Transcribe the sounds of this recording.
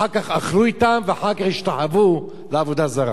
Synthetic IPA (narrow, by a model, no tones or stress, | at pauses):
akaχaχluit̪amveaħaʁkaχiʃt̪aħavu | leavo̞d̪azaʁa̰